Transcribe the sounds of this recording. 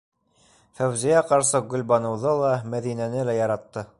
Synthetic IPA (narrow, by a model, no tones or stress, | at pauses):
fæwzijæqɑɾsɤɡɵ̆lʲbɑnɤ̆wðɤlˠɑmæðinænɘlæjɑɾɑt̪ːɤ